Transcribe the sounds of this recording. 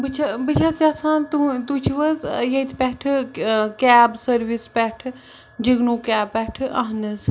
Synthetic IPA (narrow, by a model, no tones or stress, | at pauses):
bɨt͡ʃʰɐbɨt͡ʃʰɐsɐt͡sʰãːnt̪ud̪ut͡ʃʰiʋɐzjɐit̪ʰpɛʈʰɨkʲaːbsɐɾʋispɛʈʰɨ | d͡ʒiɡnuːkaːbpɛʈʰɨɐ̰ɦnɐz